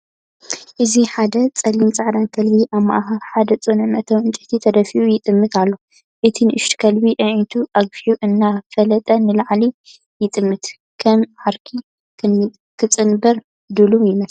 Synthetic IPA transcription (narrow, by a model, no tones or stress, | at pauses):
ʔɨziħad̪ɐt͡sʼɐlint͡sʼaʕd̪ankʰɐlbiʔaβma̰ʔɦaɾħad̪ɐt͡sʼonɨmɐʔt̪ʰɐwɨnt͡ʃʼɪt̪ʰit̪ʰɐd̪ɐfiʔujɪt̪ʼɨmːɨt̪ʰalːo | ʔɨt̪ʰinɨʔɨʃt̪kʰɐlbiʔʕit̪ʰuʔaɡfiuʔɨnːafɐlɐt̪ʼɐnɨlaʕli | jɪt̪ʼɨmːɨt̪ | kʰɐmʕaɾkʰi | kʰɨt͡sʼɨnbɐɾ | d̪ɨlujɪmɐs